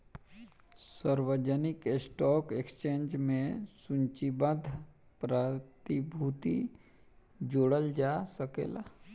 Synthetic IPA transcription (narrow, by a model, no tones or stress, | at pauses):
səɾwəd͡ʒənɪkesʈɔːkekst͡ʃẽːnd͡ʒmẽsʊ̃ɲt͡ʃibəd̪ʱ | pɾət̪ibʱut̪i | d͡ʒoːɽəld͡ʒaːsəkḛːla̰ː